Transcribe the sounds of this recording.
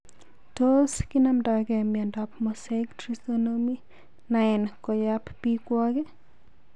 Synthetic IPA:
toskinamdakɛmjandapmɔsektɾisonomi | naɛnkɔjappikwɔke

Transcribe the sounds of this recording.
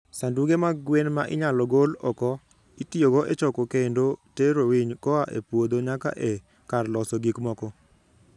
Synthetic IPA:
sanduɡemaɡwenma̰ʔɪ̰ɲalɔɡolɔkɔ | itioɡɔʔet͡ʃɔkɔkendoteɾowiɲkɔaʔḛpwod̪oɲaka̰ʔe | karlɔsɔɡikmɔkɔ

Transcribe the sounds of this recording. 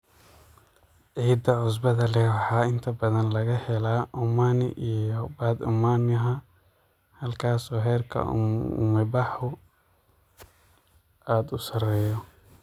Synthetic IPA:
ʕiːd̪ɐʕʊs̬bɐðɐlɛwɑħɑːɪnt̪ʰɐbɐðɐnlɐɣɐhɛlaːʔʊmaːnɪ̰ʔijɔbaːd̪ʊ̰maːnɐɦɐ | hɐlkʰaːsɔːɦɛːrkʰɐ̰mɪbɑħʊ | aːd̪ʊsɐrɛːjɔ

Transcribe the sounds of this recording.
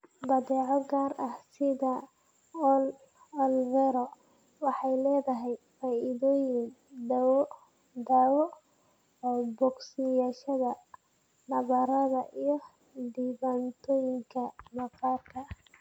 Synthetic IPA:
b̪ɐðɛːʕɔɡaːrʔɐhsɪðɐ | l | ɔlvɛɾɔ | wɑħɑjlɛːðɐɦɛjfaːʔiðɔːjɪn | dw | d̪awɔ | bɔɡsɪjaːʃɐðɐ | nɐβɐɾɐðɐʔijɞ | ɖ̪iβaːnt̪ʰɔːjɪŋkʰɐmɐqɑːrkʰɐ

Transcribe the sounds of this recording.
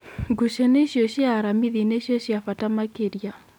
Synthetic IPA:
ɡuʃɛneʃjɔʃiaɾamiðineʃjɔʃiafatamakeɾja

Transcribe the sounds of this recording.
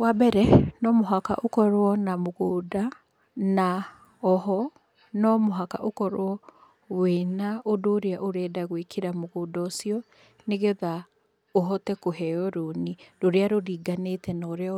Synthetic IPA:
wabɛɾɛnɔmoɦaka̰ʔokɔɾwɔnamoɣoːda | na | ɔɦɔ | nɔmoɦaka̰ʔokɔɾwɔ | weːnaʔodoːɾeaʔoɾɛːdaɣwekʰiɾamoɣoːdɔosiɔ | neɣeða | oɦɔtɛkoɦɛɔɾoniɾoɾeaɾoɾiːɡanetɛnɔɾea

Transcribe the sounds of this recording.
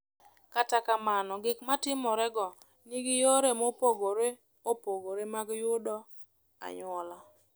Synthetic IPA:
katakamanɔɡɪkmatɪmɔɾɛɡɔ | niɡijoɾemopoɡoɾe | opoɡoɾemaɡjʊdɔ | a̰ɲɔla

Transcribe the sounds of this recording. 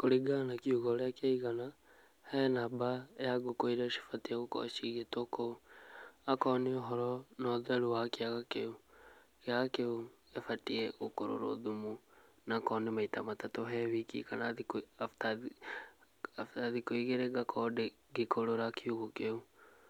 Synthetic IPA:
koɾiɡanakiuɣɔɾjakaiɣana | hɛnabajaɡokoiɾaʃi̥fatiɛɣokɔ̰ʃiɣetokou | akɔneoɦɔɾɔnɔðɛɾuwakiaɣakeukeaɣakeo | efatiɛokoɾo̰ɾo̰ðumunakɔnemaitamatatoɦɛβikḭkanaðikata | aftaðikoiɣeɾeɡakʰɔde | ɡekoɾoɾakiuɣɔkeu

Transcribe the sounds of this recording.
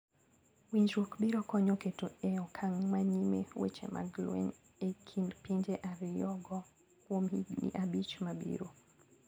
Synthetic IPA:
wiɲd͡ʒwokbiɾɔkɔɲɔketoɛɔkʰaŋmaɲimḛwḛt͡ʃḛmʔa̰ɡlṵɛ̰n | ekʰindpiɲd͡ʒɛʔaɾijɔɡɔ | kwominḭʔabit͡ʃmabḭɾo

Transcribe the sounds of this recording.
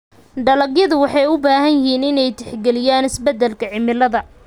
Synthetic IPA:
ɖɐlɐɡjɐðʊwɑħɑjʊbaːhɐnjɪhiːnɪnɛjt̪ʰɛ̥ħɡɛlɪjaːnɪsbɛd̪ːɛlkʰɐʕɪmɪlɐðɐ

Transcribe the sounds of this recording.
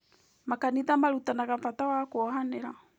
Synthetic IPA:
makaniðamaɾutanaɣamfatawakoɔɦaneɾa

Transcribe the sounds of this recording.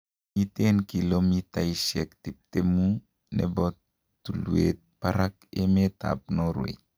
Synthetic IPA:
itenkilomitaisɛktip̚temu | nḛbɔtː | uluet̚paɾak̚emet̪a̰p̚noɾṵḛ

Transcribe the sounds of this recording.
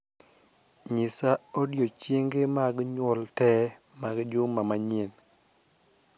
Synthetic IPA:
ɲɪsaodjot͡ʃjeŋɡemaɡɲwɔltɛ | maɡd͡ʒʊmamaɲen

